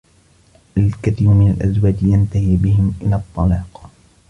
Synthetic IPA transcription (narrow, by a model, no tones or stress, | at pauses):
ʔalkaθiːɾmɪnalʔazwaːd͡ʒjant̪ahiːbɪhɪmʔɪlaːt̪ˤːɑlɑːq